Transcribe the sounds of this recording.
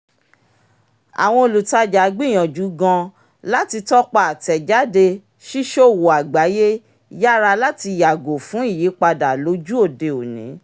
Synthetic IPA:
a̰˨w̃ɔ̃˧o˨lu˨ta˧d͡ʒa˨˦ɡ͡bi˦˨j̃ɔ̃˨d͡ʒu˨˦ɡɔ̃˧ | la˦ti˧tɔ˦k͡pa˧˨a˨tɛ˨d͡ʒa˨˦de˧ | ʃi˦ʃo˦˨wo˨a˨ɡ͡ba˨˦je˦ | ja˦˨ɾa˧la˦ti˧ja˨ɡo˨fũ˨˦i˦˨ji˨˦k͡pa˧da˨lo˨˦d͡ʒu˦o˦˨de˧o˨nḭ̃˨˦

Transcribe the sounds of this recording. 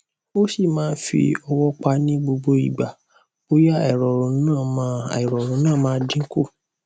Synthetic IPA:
o˦si˦˨mãː˨˦n˦fḭ˧ɔ˧wɔ˦k͡pa˧˦nĩ˦ɡ͡bo˧ɡ͡bo˧i˨ɡ͡ba˨ | o˦ja˦ɛ˨ɾɔ˨ɾũ˨˦nãː˦˨mã˦˨ɾɔ˨ɾũ˨˦nãː˦˨mãː˦˧˦dĩ˦ko˦˨

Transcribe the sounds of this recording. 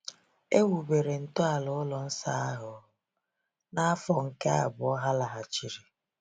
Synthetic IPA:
e˦wu˨be˨ɾe˨n̩˨tʊ˦a˨lʊ˦lɔ˨n̩˦sa˦a˦ɦʊ˨˦ | na˦a˦fɔ˨ŋ̩˨ke˦a̰˦˨bʊ˨ɔ˦ɦa˦la˨ɦa˨t͡ʃi˨ɾi˨

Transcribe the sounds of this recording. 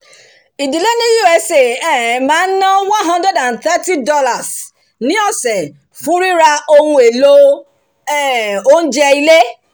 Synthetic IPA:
i˨di˨le˦nĩ˦ju˦ɛ˦se˨ɛ˦˨˦mãː˨˦n̩˦nɔ̃˦wã˦nɦɔ̃˦ndɾɛ˦dã˨nθɛ˦ti˦dɔ˦la˨s | nĩ˦ɔ˦˨sɛ˨ | fũ˦ɾi˦ɾa˧o˦wũ˦e˨lo˦ | ɛ˦o˦n̩˦d͡ʒɛ˧i˧le˦

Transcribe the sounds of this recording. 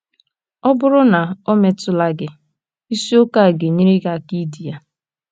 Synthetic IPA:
ɔ˦bʊ˦ɾʊ˦na˨o˦me˨tʊ˦la˦ɡɪ˨ | i˦si˦o˦ka˦˨a˨ɡe˨ɲi˦ɾi˦ɡa˨ki˦di˨ja˨

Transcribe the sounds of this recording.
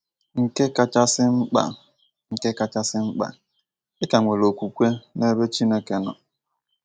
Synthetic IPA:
ŋ̩˨ke˦ka˦t͡ʃa˦sɪ˦ŋ͡m̩˦k͡pa̰˨ | ŋ̩˨ke˦ka˦t͡ʃa˦sɪ˦ŋ͡m̩˦k͡pa̰˨ | ɪ˦ka˨ŋʷe˨lo˨kʷu˨kʷe˦ne˦be˦t͡ʃi˦ne˦ke˦nɔ̰˨

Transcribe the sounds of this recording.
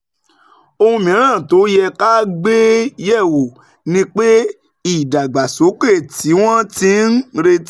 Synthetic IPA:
o˧hũ˧mĩ˨˦ɾ̃ãː˦˨to˨˦jɛ˧ka˦ɡ͡be˦jɛ˦˨wo˨ | nĩ˦k͡pe˦ | i˦˨da˨ɡ͡ba˨so˨˦k͡pe˦˨ti˨˦w̃ɔ̃˦ti˦n̩˦ɾe˧t

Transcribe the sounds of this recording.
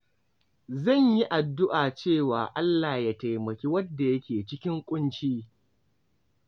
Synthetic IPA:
zɐ˦˨ɲji˦ʔa˨dːʊ˦ʔaː˨t͡ʃeː˦˨waː˨ʔa˦lːaː˨jaː˦ta˨jmɐ˨kʲiː˦wɐ˦dːa˨jɐ˦kʲʰeː˨t͡ʃɪ˦kʲɪ˦ŋkʷʼʊ˦nt͡ʃiː˦

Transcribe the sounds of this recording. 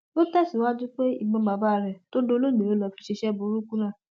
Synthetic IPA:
o˦tɛ˦˨si˨˦wa˦d͡ʒũ˦k͡pe˦ḭ˦˨ɡ͡bɔ̃˧˦ba˨ba˦˨ɾɛ˨to˦do˧˦˧lo˦˨mĩ˨o˨˦lɔ˧fi˦ʃe˧ʃɛ˦bo˨˧˦ɾu˦kũ˦lã˦˨

